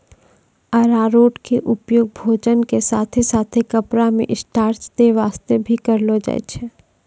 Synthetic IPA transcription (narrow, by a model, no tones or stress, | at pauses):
ɐɾaːɾoːʈkeʔʊpjoːɡ̚bʱoːd͡ʒənkesaːt̪ʰesaːt̪ʰekɐpɾamḛ̃ʔɪsʈaːɾt͡ʃt̪eʋaːst̪ebʱikɐɾlod͡ʒa̰ḛt͡ʃʰɛː